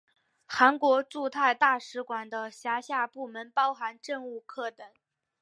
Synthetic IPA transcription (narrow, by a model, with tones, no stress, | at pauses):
xa˧˥nkwɔ˧˥ʈ͡ʂu˥˧t̪ʰa˥˧ɪt̪a˥˩ʂɻ̩˧˥kwa˨˩nd̪ə˦ɕja˧˥ɕja˥˧pu˥˩mə˧˥npɑ˥ʊxa˧˥nʈ͡ʂə˥˧ŋu˥˧kʰɤ˥˩t̪ə˨˩˦ŋ